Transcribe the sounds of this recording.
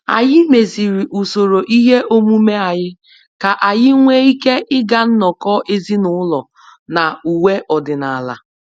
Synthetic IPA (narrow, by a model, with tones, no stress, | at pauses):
a̰˨jɪ˦me˨zi˨ɾi˨ʔu˨so˨ɾo˨ʔi˦ɦe˦ʔo˦mu˦me˦a˨ɲɪ˦ | ka˨ʔa˨jɪ˦ŋʷe˦i˦ke˦ʔɪ˦ɡa˨n̩˦nɔ˨kɔ˦ʔe˦zi˦nʊ˦lɔ˨ | na˨u˨we˦ʔɔ˨dɪ˨na˨a˨la̰˨